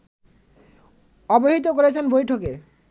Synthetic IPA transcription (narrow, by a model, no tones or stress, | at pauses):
ɔboɦit̪̬okoɾet͡ɕʰenbojʈʰoke